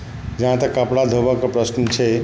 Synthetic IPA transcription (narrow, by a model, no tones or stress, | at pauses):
d͡ʒəɦãt̪əkəpɽad̪ʱobakopɾəsnət͡ʃʰe